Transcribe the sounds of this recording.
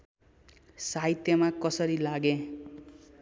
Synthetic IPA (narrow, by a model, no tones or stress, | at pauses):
sait̪jʌmakʌsʌɾilaɡẽ